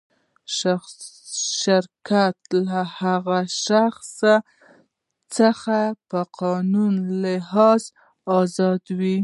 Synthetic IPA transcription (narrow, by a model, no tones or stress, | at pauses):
ʃ | ʃɪɾkat̪lahaɣaʃaxsa | t͡səxapəqɑnunlɪhɑz | ɑzɑd̪wi